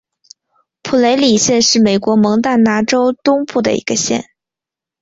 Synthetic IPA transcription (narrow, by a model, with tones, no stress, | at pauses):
pʰu˨˩le˧˥ɪli˨˩ɕjɛ˥˧nʂɻ̩˥˩me˨˩ɪkwɔ˧˥mɤ˧˥ŋt̪a˥˩nna˧˥ʈ͡ʂo˥ʊt̪ʊ˥ŋpu˥˩d̪ə̰˩ḭ˧˥ɡə˧ɕjɛ̰˥˩n